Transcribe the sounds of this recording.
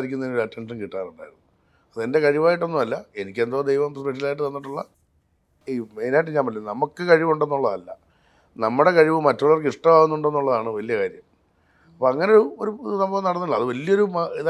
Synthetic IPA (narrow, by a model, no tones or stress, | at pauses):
ɾikʲːunːɐinoɾuɐtːenʂɐnkiʈːaːnuɳɖa̰ːjiɾunːu | ɐðɨende̞kɐɻiʋaːjiʈ̬ːo̞nːumɐlːɐe̞nikʲːe̞nd̪oːd̪e̞jʋɐmprspeʂ̬ɐilaːjiʈ̬ːɨt̪ɐnːiʈːuɭːɐ | imejnaːjʈ̬ːeɲd͡ʑaːmɐlːenɐmukːɨkɐɻiʋuɳɖenːuɭːɐðɐlːɐ | nɐmːuɽe̞kɐɻiʋɨmɐtːuɭːɐrkiʂʈɐmaːɣunːuɳɖe̞nːuɭːɐðaːɳɨʋɐlijɐkaːɾjɐm | ɐpːoːɐŋːɐne̞oɾuoɾusɐmbɐʋɐmnɐɽɐnːuʈːɭːɐðɨʋɐlijɐo̞ɾumiða